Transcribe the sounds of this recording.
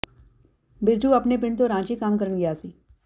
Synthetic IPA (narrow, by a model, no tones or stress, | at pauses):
bɪɾd͡ʒuɐpnepɪɳɖt̪̬oɾãːt͡ʃikaːmkəɾəɳɡɪjaːsiː